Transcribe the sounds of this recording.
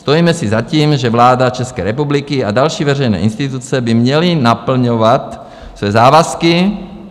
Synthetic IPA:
st̪ojiːmɛsɪzaciːmʒɛvlaːdat͡ʃɛskɛ̰ːɾɛpublɪkɪadalʃiːvɛrɛjnɛ̰ːʔɪnst̪it̪ut͡sɛbɪmɲɛlɪnapl̩ɲovat̪ | svɛzaːvaskɪ

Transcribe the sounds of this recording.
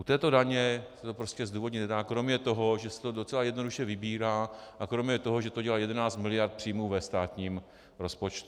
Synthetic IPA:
ʔut̪ɛːt̪o̞daɲɛsɛ̥t̪o̞pɾo̞scɛzd̪uːvo̞dɲiɛdaːkɾo̞mɲɛt̪o̞ɦo̞ʒɛsɛ̥t̪odot͡sɛlajɛdnoduʃɛvɪbiːɾaːʔakɾo̞mɲɛt̪o̞ɦoʒɛt̪oɟɛlaːjɛdɛnaːt͡st̪mɪlɪjaɾt̪̚pr̥ijmuːvɛst̪aːt̪ɲiːm | ɾo̞spo̞t͡ʃt̪u

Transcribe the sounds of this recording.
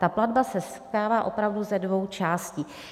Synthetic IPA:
t̪apladbasɛskaːvaːʔo̞pɾavduzɛdvo̞wt͡ʃaːsciː

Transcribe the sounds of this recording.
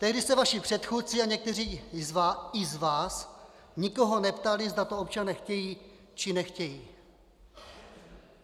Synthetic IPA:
t̪ɛɦdɪsɛvaʃɪpr̝̥ɛt̪xuːt̪̚t͡sɪaɲɛk̚t̪ɛr̝iːzɪzvaːs | ɲɪko̞ɦonɛpt̪alɪzd̪at̪oo̞p̚t͡ʃanɛːxcɛjiː | t͡ʃɪnɛxcɛjiː

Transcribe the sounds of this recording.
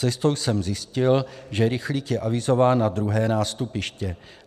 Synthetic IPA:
ɛst̪o̞wsɛmzjɪscɪlʒɛɾɪxliːkjɛʔavɪzo̞vaːnːad̪ɾuɦɛːnaːst̪upɪʃcɛ

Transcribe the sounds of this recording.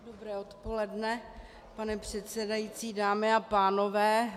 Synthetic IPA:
dobɾɛːot̪po̞lɛdnɛ | panɛpr̝̥ɛt̪sɛdajit͡siːdaːmɪapaːno̞vɛː

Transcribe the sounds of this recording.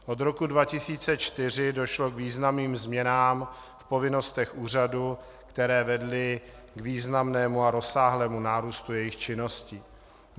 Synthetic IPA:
ʔo̞d̪ɾo̞kudvacɪsiːt͡sɛt͡ʃt̪ɪr̝ɪdo̞ʃlo̞kviːznamniːmzmɲɛnaːm | fpo̞vɪno̞st̪ɛxʔuːr̝adu | kt̪ɛɾɛːvɛdlɪ | ɡviːznamnɛːmuaɾo̞saːɦlɛːmunaːɾuːst̪ujɛjɪxt͡ʃɪno̞sciː

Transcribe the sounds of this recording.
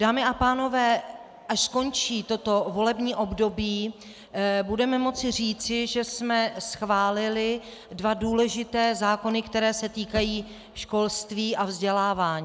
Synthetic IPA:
d̥aːmɪʔapaːno̞vɛː | ʔaʃsko̞nt͡ʃiːt̪o̞t̪o̞vo̞lɛbɲiːʔo̞bdo̞biː | budɛmɛmo̞t͡sɪr̝iːt͡sɪʒɛsmɛsxvaːlɪlɪ | dvaduːlɛʒɪt̪ɛːzaːko̞nɪkt̪ɛɾɛːsɛt̪iːkajiː | ʃko̞lst̪viːʔavzɟɛlaːvaːɲiː

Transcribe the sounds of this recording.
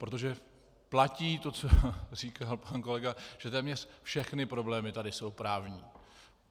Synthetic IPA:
pɾo̞t̪̬o̞ʒɛ | placiːt̪o̞t͡so̞riːkalpanko̞lɛɡaʒ̥ɛt̪ɛːmɲɛr̝fʃɛxnɪpɾo̞blɛːmɪt̪adɪso̞wpɾaːvɲiː

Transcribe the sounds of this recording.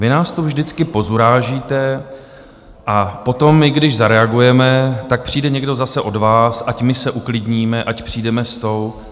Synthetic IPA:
vɪnaːst̪uvʒdɪt͡skɪpo̞zuɾaːʒiːt̪ɛ | ʔapo̞t̪o̞mːɪɡdɪʒzaɾɛaɡujɛmɛt̪ak̚pr̥iːdɛɲɛɡdo̞zasɛʔo̞dvaːsʔacmɪsɛʔuklɪdɲiːmɛʔacpr̥iːdɛmɛst̪o̞w

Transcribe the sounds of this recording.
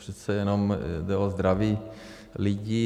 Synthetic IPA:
pʂɛt̪sɛjɛnomd̪ɛozd̪ɾaʋiː | lɪɟi

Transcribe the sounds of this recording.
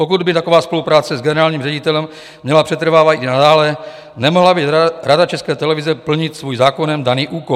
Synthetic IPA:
pokud̪bɪt̪ako̞vaːspo̞lupɾaːt͡sɛzɡɛnɛɾaːlɲiːmrɛɟɪt̪ɛlɛm | mɲɛlapr̥ɛt̪ɾ̩vaːvat̪ʔinadaːlɛ | nɛmoɦlabɪɾadat͡ʃɛskɛːt̪ɛlɛvɪzɛpl̩ɲɪt̪svuːjzaːkonɛmdaniːʔuːko

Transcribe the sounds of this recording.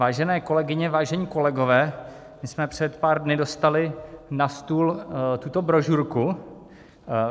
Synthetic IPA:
vaːʒɛnɛːko̞lɛɡɪɲɛvaːʒɛɲiːko̞lɛɡo̞vɛː | mɪsmɛpr̝̥ɛt̪paːɾdnɪdo̞st̪alɪnast̪uːlt̪ut̪o̞bɾo̞ʒuɾku

